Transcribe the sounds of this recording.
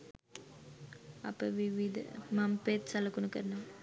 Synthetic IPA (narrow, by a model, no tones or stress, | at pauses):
ɐ̰pːɐʋiʋid̪ɐ̰mɐmpeːt̪sɐlɐkːunukɐɾɐnɐm